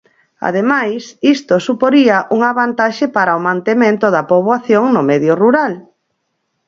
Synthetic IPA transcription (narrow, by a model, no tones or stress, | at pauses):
a̰ðemajsist̪osupoɾiɐʔuŋaβant̪aʃɪpaɾaomãnt̪emẽnt̪ʊðɐpoβwaθjoŋnʊmɛðjʊruɾal